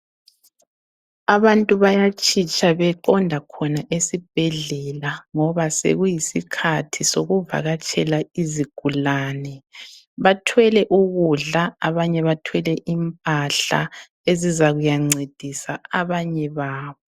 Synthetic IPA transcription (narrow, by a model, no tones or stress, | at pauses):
aβantʼuβajat͡ʃʼʰit͡ʃʼaβɛǃɔndʱakʰɔnaʔesib̥ʱɛɮɛlaŋɔβasḛɣujisikʰatʰisoɣuva̰ɣat͡ʃʰʼɛlaiziɡ̥ʱulaːnɛ | βatʰwɛlɛʔuɣuɮaaβaɲɛβatʰwɛlɛʔimpʼaɬa̰ | ezizaɣujaŋ͡ǀed̥ʱisaaβaɲɛβaːβɔ